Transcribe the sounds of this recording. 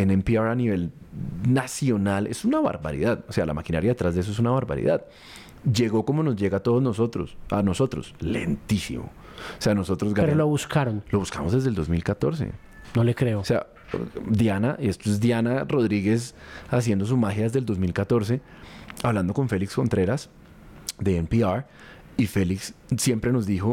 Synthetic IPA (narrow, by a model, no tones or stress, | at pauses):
enempiaɾaniβe̞l | nasjo̞nale̞̰sunaβa̰ɾba̰ɾḭðaðose̞alʔa̰makinaɾjaðet̪ɾazd̪ees̬oe̞s̬unaβaɾba̰ɾḭðað | d͡ʒe̞ɣo̞ko̞mo̞no̞zd͡ʒe̞ɣat̪o̞ðozno̞so̞t̪ɾo̰sano̞so̞t̪ɾo̞̰sle̞̰nt̪isḭmo̞̰ | ose̞ano̞so̞t̪ɾozɡaeɾoloβuskaɾonlo̞βuskamo̞zd̪e̞zd̪e̞ld̪o̞zmilkat̪o̞ɾs̬e̞̰ | nolekɾe̞oose̞a̰ | d̪janaʔie̞st̪oezd̪janaro̞ðɾiɣe̞sasje̞nd̪o̞s̬umaxjaðe̞zd̪e̞ld̪ozmilkat̪o̞ɾs̬e̞ | aβland̪o̞ko̞ɱfe̞liksko̞nt̪ɾe̞ɾas | d̪e̞empiaɾ | ife̞liksːje̞mpɾe̞no̞zd̪ixo̞